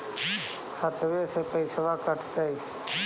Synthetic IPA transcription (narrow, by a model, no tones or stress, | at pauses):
kʰat̪ʋeːseːpəɪsəʋaːkəʈʰt̪əiː